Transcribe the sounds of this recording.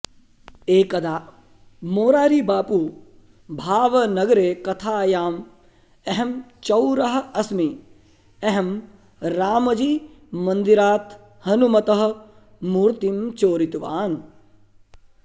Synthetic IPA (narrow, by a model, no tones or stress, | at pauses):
eːkɐd̪aː | moːɾaːɾiːbaːpuː | bʱaːʋɐnɐɡɾeːkɐt̪ʰaːjaːm | eɦemt͡ʃɐwɾɐɦɐ̆ɐsmi | eɦem | ɾaːmɐd͡ʒiːmɐnd̪iɾaːt̪ | hɐnumɐt̪ɐɦɐ̆ | muːɾt̪imt͡ʃoːɾit̪uʋaːn